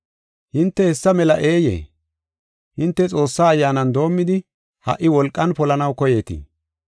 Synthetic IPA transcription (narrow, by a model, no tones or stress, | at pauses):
hɪnt̪ːɛhɛsːɐmɛlɐʔeːjḛː | hɪnt̪ːɛt͡sʼo̞ːsːaːjːaːnɐnd̪o̞ːmːɪd̪ɪ | hɐ̰ʔɪwɔlkʼːɐnpɔlɐnɐwkɔje̞ːt̪ɪ̰